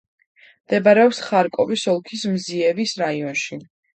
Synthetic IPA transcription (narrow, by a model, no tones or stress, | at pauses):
md̪̥ɛbaɾɛɔpsχaɾkʼɔvisɔlˠkʰismziɛvisɾaiɔnʃi